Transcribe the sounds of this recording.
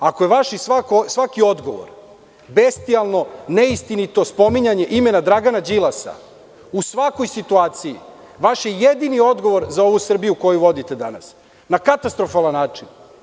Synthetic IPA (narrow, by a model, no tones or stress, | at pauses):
ako̞jeʋaʃisʋakosʋakio̞d̪ɡo̞̰ʋo̰ɾ | best̪ialˠno̞neist̪init̪o̞spo̞miɲaɲe̞ʔime̞nad̪ɾaɡanad͡ʑilˠasa̰ | usʋako̞jsit̪uaːt̪sijḭ | ʋaʃjejed̪inio̞d̪ɡo̞ʋo̞ɾzao̞ʋusr̩bijuko̞juʋo̞d̪it̪e̞d̪ana̰s | nakat̪ast̪ɾo̞falˠanːaːt͡ʂin